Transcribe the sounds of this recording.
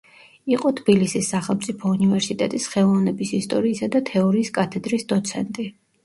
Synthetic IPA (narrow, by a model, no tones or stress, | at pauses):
iqʼɔt̪ʰb̥ilisisːaχɛlˠmt̪sʼipʰɔunivɛɾsit̪ʼɛt̪ʼisχɛlˠɔvnɛbisist̪ʼɔɾiːsad̪at̪ʰɛɔɾiːskʼat̪ʰɛd̪ɾisd̪ɔt̪sʰɛnt̪ʼi